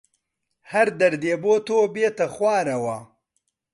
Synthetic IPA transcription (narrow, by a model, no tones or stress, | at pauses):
hɐɾd̪ɐɾd̪eːboːt̪oːbeːt̪ɐxwaːɾɐwa